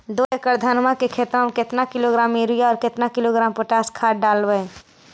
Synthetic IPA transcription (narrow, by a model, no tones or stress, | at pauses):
d̪oːekəɾd̪ʱənmãkekʰeːt̪ɾamẽkɪt̪nakɪloɡɾaːmiɾujaɔːɾkɪt̪nakɪloɡɾaːmpoʈaːskʰaːɖaːlwə